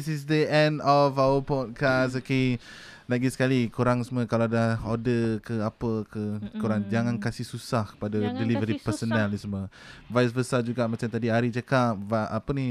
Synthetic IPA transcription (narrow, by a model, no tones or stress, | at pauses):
isis̬dəʔɛ̃ndɔfawəpɔt̚kasoke | naʔɡɛsə̥kalikuɾaŋsəməkalaadahodəkəapəkʰəkuɾaŋd͡ʒaŋãnkasihsusahkə̥padadɛlivəɾipəsonɛlisməvajs̬bəsad͡ʒuɡaʔmat͡ʃamt̪adiaɾit͡ʃakap̚vaapəni